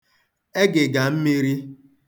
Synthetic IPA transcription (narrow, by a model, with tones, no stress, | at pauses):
e˦ɡɪ˨ɡa˨m̩˦mi˦ɾi˦